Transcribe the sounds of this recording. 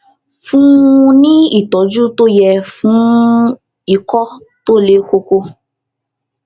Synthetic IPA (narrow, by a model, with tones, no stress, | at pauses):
fũ˦˧nĩ˦i˦˨tɔ˨˦d͡ʒu˦to˦jɛ˧fũ˨˦ | i˦˨kɔ˦ | to˦le˨˦ko˧ko˧